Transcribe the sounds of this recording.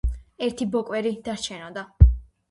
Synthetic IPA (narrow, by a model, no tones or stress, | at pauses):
ɛɾt̪ʰibɔkʼwɛɾid̪̥aɾt͡ʃʰɛnɔd̪a